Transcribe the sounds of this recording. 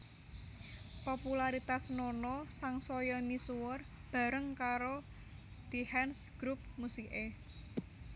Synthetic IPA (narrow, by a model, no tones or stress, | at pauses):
populaɾit̪asnonɔsaŋsɔjɔmisuwɔr | b̥ä̤ɾəŋkaɾo | d̪̥i̤hɛnsɡ̥ɾup̚musie